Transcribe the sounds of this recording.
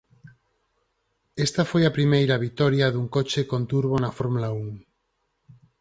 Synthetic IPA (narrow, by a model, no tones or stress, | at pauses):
est̪ɐfojɐpɾimejɾɐβ̞it̪oɾjaðuŋkot͡ʃekont̪uɾβ̞onɐfoɾmulauŋ